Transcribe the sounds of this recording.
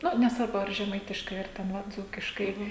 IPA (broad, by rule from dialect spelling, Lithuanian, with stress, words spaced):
ˈnʊ nʲɛsˈʋɐrbʊ ɐr ʒʲɛˈmɐɪtʲɪʃkɐɪ ɐr ˈtʲɛn ˈʋɐ ˈd͡zuːkʲɪʃkɐɪ